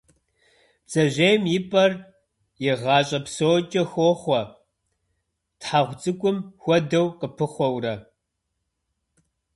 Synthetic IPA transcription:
t͡sʼɐʑejmjɪpʼɐr | jɪʁɑːɕʼɐpsoːt͡ʃʼɐxʷoːχʷɔ | tħaʁʷt͡sʼɨkʷʼʊmxʷɔdɐwqəpʰɨχʷɔwrɐ

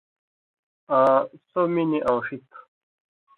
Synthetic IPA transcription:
ãsominiʔawʂikʰ

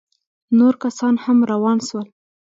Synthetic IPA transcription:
noɾkasɑnhamɾawɑnʃwəl

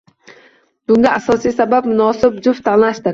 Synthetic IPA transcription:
b̥ʊŋɡʲaʔasɒsijsabap̚mʊnɒːsɪbd͡ʒʊft̪ʰanlaʃt̪ɪɾ

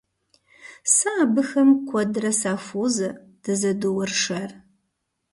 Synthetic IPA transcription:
saːbɨxɐmkʷʰɔdrɐsaːfʷoːzɐd̥ɐzɐduwɐrʂɐr

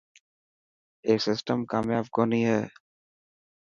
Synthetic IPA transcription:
eːksɪsʈəmkaːmjaːbkoːnĩɦɛː

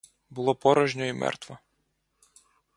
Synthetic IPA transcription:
bʊlˠɔpɔɾɔʒnʲɔimɛ̰rt̪ʋɔ

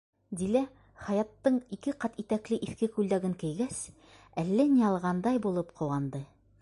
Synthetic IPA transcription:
d̪ilæ | χɑjɑt̪ːɤɴikɘqɑt̪it̪æklɘʔiθkɘkʉld̪æɡɘŋkɘ̆jɡæs | ælːænijɑlˠʁɑnd̪ɑjbulˠɤpqʰɤ̆wɑnd̪ɤ

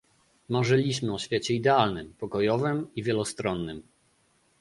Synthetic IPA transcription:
maʐɛlʲiɕmɘɔɕfʲjet͡ɕɛid̪ɛalnɘmpɔkɔjɔvɘmivʲjɛlɔst̪ɾɔnːɘm

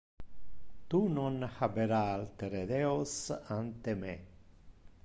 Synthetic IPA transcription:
t̪unonhabeɾalt̪eɾed̪eosant̪eme

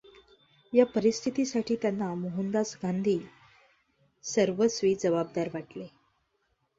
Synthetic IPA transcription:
japəɾist̪ʰit̪isaʈʰiːt̪janːamoɦənd̪asɡʱand̪ʱiː | səɾʋəsʋiːd͡zəʋab̚d̪aɾʋaʈle

